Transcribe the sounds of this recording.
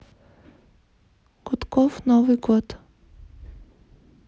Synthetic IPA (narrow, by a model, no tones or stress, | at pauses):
kɔt̪kɔfnɔviɡɔt̪